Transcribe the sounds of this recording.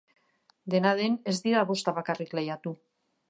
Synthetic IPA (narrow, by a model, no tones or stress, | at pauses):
d̪e̞naðene̞zd̪iɾaβo̞st̪aβakariklejat̪u